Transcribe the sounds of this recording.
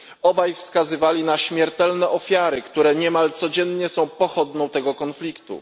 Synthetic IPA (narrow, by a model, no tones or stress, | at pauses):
ɔbajfskazɘvalʲinaɕmʲjɛɾt̪ɛlnɛʔɔfʲjaɾɘkt̪uɾɛɲɛmalt̪sɔd͡ʑɛnɲɛsɔ̃w̃pɔxɔd̪nɔ̃w̃t̪ɛɡɔkɔnflʲikt̪ṵ